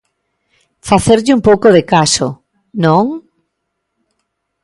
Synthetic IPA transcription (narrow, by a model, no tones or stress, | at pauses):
faθeɾʎɪumpowkoðekaso̰ | nõŋ